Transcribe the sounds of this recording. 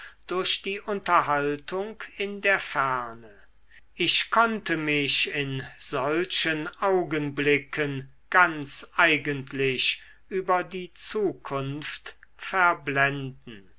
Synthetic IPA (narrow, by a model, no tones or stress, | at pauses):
d̥ʊɐʃd̥iːʔʊntɐɦaltʰʊŋkɪndeːɐfæɐnə | ʔɪʃkʰɔntəmɪʃɪnz̥ɔlʃənʔaʊɡənblɪkʰən | ɡ̥ant͡sʔaɪɡəntʰlɪɕ | ʔyːbɐdiːt͡suːkʰʊnftfɛɐblɛndn̩